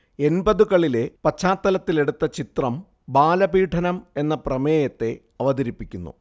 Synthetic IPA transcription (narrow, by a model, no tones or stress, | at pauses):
e̞nbɐðukɐɭile̞pɐt͡ɕʰːaːt̪ːɐlɐt̪ːile̞ɽut̪ːɐt͡ɕit̪rɐm | baːlɐbiːʈʰɐnɐme̞nːɐprɐmeːjɐt̪ːe̞ | ɐʋɐðɐɾipːikʲːunːṵ